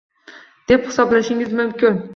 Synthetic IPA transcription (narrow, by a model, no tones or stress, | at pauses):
d̪̥e̞phɪ̥sɒblaʃɪŋɪzmʊmkʲɪn